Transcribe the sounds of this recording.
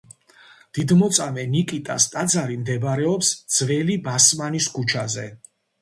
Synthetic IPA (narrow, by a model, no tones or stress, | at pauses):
d̪̥id̪mɔt̪sʼamɛnikʼit̪ʼa̰st̪ʼad̪zaɾimd̪ɛbɾɛɔpsd̪z̥vɛlibasmaniskʰut͡ʃʰazɛ